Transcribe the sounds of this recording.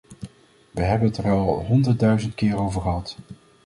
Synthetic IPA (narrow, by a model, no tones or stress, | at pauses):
ʋəɦɛbənətərɑlˠɑ̰lˠɦɔndəɹdœɥzəntkɪːɾowvəɹχəɦɑt